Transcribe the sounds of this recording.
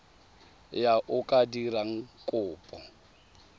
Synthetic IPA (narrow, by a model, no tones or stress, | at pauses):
jaʔʊkʼadiraŋ̩kʼʊːpʼɔ